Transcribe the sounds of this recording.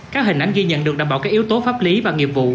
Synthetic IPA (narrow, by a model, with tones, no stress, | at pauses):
kaː˦˥k̚hï˨˩ŋ̟ʔa˨˦ŋ̟ɣi˧ɲə̰˧˨nɗɨ˨˩ək̚a˨˩mɓa̰ː˧˨˩kaː˦˥k̚ʔi˦wt̪o˨˦faː˦˥p̚li˨˦vaː˨˩ŋi˨˩əvṵ˧˨